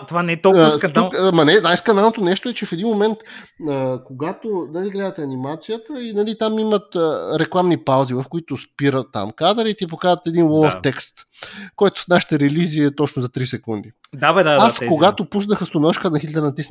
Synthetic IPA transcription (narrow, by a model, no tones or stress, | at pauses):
t̪ovanɛɛt̪ot̪ukmɐnɛnajskɐnalˠnot̪onɛʃt̪oɛt͡ʃɛfɛd̪inmomɛnt̪əkoɡat̪onɐliɡlɛd̪ət̪ɛɐnimat̪sijət̪əinɐlit̪amimət̪əɾɛklˠamnipawzivɐfkoit̪ʊspiɾət̪ːa̰mkad̪əɾit̪ip̬okazət̪ɛd̪inwɔlˠft̪ɛkst̪kɔjt̪ʊ̥snaʃi̥t̪ɛɾɛliziːɛt̪ɔt͡ʃnʊzɐt̪ɾisɛkund̪id̪abd̪aaskoɡat̪opusnəxəst̪onɔʃkənɐxit̪lʲɛɾnɐt̪isn